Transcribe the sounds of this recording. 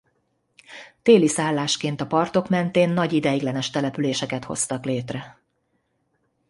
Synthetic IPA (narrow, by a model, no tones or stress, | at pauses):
t̪eːlisaːlːaːʃkeːnt̪ɒpɒrt̪o̞kmɛnt̪eːnːɒɟid̪ɛjiɡlɛnɛʃt̪ɛlɛpyleːʃɛkɛt̪ho̞̰st̪ɒkleːt̪rɛ